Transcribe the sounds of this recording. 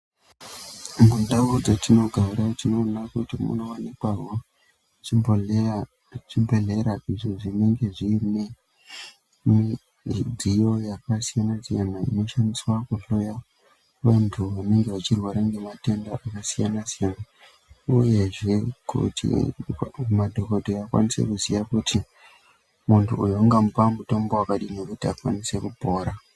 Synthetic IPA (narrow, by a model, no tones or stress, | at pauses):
mundaud͡zatino̞ɡʱaɾatino̞nakutimṵnowanikwaɦo | t͡ʃimboe | t͡ʃibʱeɮe̞ɾaʔiʐoʐine̞ŋɡe̞ʐine | mi | dʱijo̞jakasijanasijanaḭno̞ʃandiswakuɬo̞ja | ʋantʰuʋane̞ŋɡe̞ʋat͡ʃirwaɾaŋɡe̞mate̞ndaʔakasijanasijana | uje̞ʐe̞kṵtʰḭ | madʱo̞ko̞dʱoakwa̰nisḛkuzijakutʰi | muntʰuujoŋɡampamuto̞mbowakaɗine̞kutiakwa̰nise̞kubʱo̞ːɾa